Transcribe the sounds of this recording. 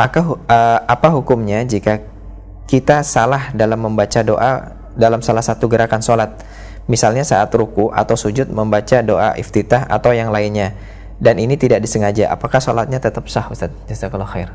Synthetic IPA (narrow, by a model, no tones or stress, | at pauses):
ʔakaəapaɦukʊmɲad͡ʒika | kit̪asalahdalamːəmbat͡ʃado̰ʔa̰ | dalamsalahsat̪uɡəɾakansolat̪̚ | misalɲasaʔat̪ɾukuʔa̰t̪awsud͡ʒʊt̪̚məmbat͡ʃadoʔa̰ʔḭft̪it̪aɦa̰t̪awjaŋlaɪnɲa | daninit̪idaʔ̚disəŋad͡ʒaʔa̰pakahsolat̪̚ɲat̪ət̪əp̚sahust̪at̪̚d͡ʒasakalaxer